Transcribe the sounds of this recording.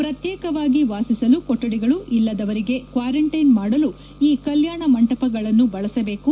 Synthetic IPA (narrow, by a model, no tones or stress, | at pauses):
pɾɐt̪jɛːkɐʋaːɡiʋaːsisɐlukoʈːɐɽiɡɐɭuʔilːɐd̪ɐʋɐɾiɡe̞kʋaːɾɐɳʈɐjnmaːɽɐlu | iːkɐljaːɳɐmɐɳʈɐpɐɡɐɭɐnːubɐɭɐsɐbe̞ːku